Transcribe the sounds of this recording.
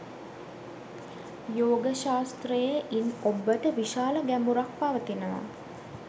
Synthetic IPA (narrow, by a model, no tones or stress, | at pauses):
joːɡəʃaːst̪rəjəʔinobːəʈəʋiʃaːləɡæmuɾak̚paʋət̪inəʋa̰